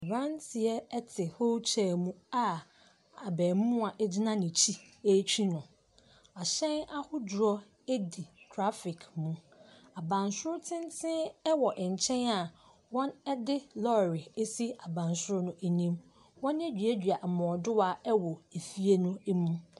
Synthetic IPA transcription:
ɾã˦ntʰɪ˨ɛ˦ɛ˦tʰɪ˨ho˦t͡ɕʰɛː˨mũ˦a˨ | a˨bɛː˨m˦mʊ̃˦a˨ʔɛ˦d͡ʑɪ˦nã˦nĩ˨t͡ɕʰi˦e˦t͡ɕʰᶣi˦nʊ̃˨ | a˨ɕɛ̃˦na˦hʊ˦dʊ˨ɾɔ˦ | e˦di˨tʰɾa˦fɪ˨kʰmũ˦ | a˨bã˨nsʊ˦ɾtʰɪ̃˦n˦tʰɪ̃˦ɛ˦wɔ˨ʔɪ˨ɲ̩˨t͡ɕʰɛ̃˦na˨ | wɔ̃˦nɛ˦dɪ˦lɔ˦˨ɾɪ˨e˦si˦a˨bã˨nsʊ˦ɾnʊ̃˦e˨nĩ˦m | wɔ̃˦ne˦d͡ʑᶣɥæ˦dᶣɥa˨ʔ̩˨mɔ̃˨dʊ˦wa˦ɛ˦wɔ˨e˨fi˦e˦nʊ̃˦e˦mũ˦

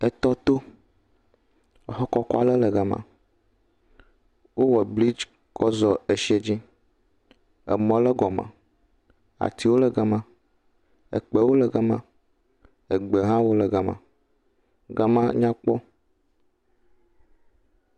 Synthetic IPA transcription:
e˨t̪ɔ˦t̪o˦˨ | ɦɔ˦kɔ˦kɔ˦a˦lə˦lə˨ɡa˨mã̰˨ | wo˦wɔ˨bli˦d͡ʒ | kɔ˦zɔ˨e˨ʃi˦e˦d͡ʑi˦ | ḛ˨mɔ̃˨˦lə˦ɡɔ˨mã̰˨ | a̰˨t̪i˨˦wo˦lə˨ɡa˨mã˨ | ḛ˨k͡pe˨wo˦lə˨ɡa˦mã̰˦ | e˨ɡ͡be˨ɦã˦wo˦lə˨ɡa˨mã̰˨ | ɡa˨mã˦ɲã˦k͡pɔ˦

